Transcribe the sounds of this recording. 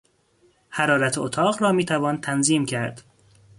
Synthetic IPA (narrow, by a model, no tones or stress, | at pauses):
hæɾɒːɾæt̪ʰot̪ʰɒːɢɾɒːmiːt̪ʰævɒːnt̪ʰænziːmcʰæɾd̪̥